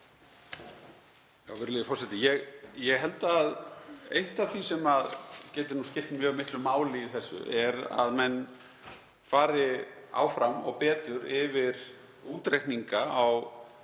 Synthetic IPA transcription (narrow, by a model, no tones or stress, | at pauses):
jaːwvɪɾlɪðɪfɔr̥sɛt̪ɪjɛɣjɛɣɦɛl̪t̪aːðejht̪aθvisɛmaðcɛːt̪ɪnuscɪft̪mjœːɣmɪht̪lʏmaːwlɪiθɛsːʏ̰ʔɛɾa̰ðmɛnː | faːɾɪa̰ːwfɾamɔ̰ɣpɛːt̪ʏɾɪvɪɾ̥ | uːt̪ɾejhniŋkaaw